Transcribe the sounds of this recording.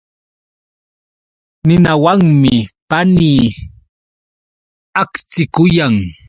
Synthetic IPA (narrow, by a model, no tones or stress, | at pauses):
nɪnawaŋmɪpaniː | akt͡sɪkʊjaŋ